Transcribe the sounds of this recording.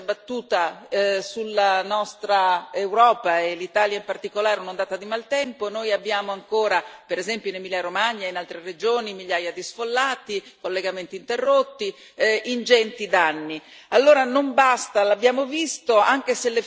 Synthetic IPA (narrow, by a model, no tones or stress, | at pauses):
bat̪ːuːt̪asulːanɔst̪ɾaewɾɔːpaelit̪aːljaimpart̪ikolaːɾeunond̪aːt̪ad̪imalt̪ɛmponoːjabːjaːmoaŋkoːɾapeɾezɛmpjonemilaɾomaɲːainalt̪ɾered͡ʒoːnimiʎjaːjad̪isfolːaːt̪ikolːeɡament̪iːnt̪erːot̪ːi | ind͡ʒɛnt̪id̪anːi | alːoːɾanombast̪alabːjaːmovist̪oaŋk̟eselːe